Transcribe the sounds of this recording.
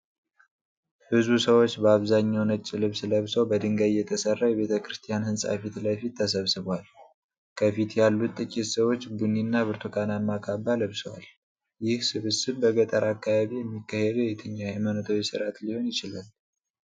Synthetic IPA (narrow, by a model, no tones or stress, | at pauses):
hɨzbusəwot͡ʃːbəaβzaɲːawnət͡ʃʼːɪlɨβsləβsəwbəd̪ɨŋɡajjɛt̪ʰəsərːajɛβe̞t̪ʰəkʰɾɨst̪ʰijanhɨnsʼa̰fit̪ləfit̪ʰːəsəβsɨβal | kʰəfit̪jalːut̪ʼːɨkʼit̪səwo̞t͡ʃːɡuninːaβɨɾt̪ʰukʰanamːakʰʼabaləβsəwa̰l | jɪhsɨβɨsɨβbəɡət̪ʼəɾakːaβaβijɛmːikːahed̪əjɛt̪ʰɨɲːaajmanət̪ʰawisɨɾat̪liho̞njɪt͡ʃɪlal